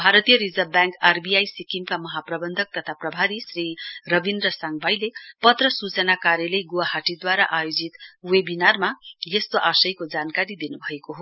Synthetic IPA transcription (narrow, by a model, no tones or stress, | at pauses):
bʱaɾʌt̪ijʌɾid͡zʌbjaŋkarbijajsikimkamʌɦaprʌbʌnd̪ʱʌk̚t̪ʌt̪ʰaprʌbʱaɾisrirʌbind̪rʌsʌŋɡbʱajlepʌt̪rʌsut͡sʌnakaɾjʌlʌjɡowaɦaʈid̪waɾaʔajod͡zit̪webinarmajʌst̪oʔasʌjkod͡zankaɾid̪inubʱʌekoɦo